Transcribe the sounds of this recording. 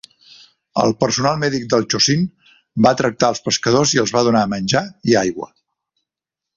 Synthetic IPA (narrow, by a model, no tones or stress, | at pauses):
ə̰lˠpəɾsunalˠmɛðik̚d̪əlˠt͡ʃosin | bat̪ɾək̚t̪aəlˠspəskəðoziəlˠzβaðunamənʲd͡ʒaiajɣwə̰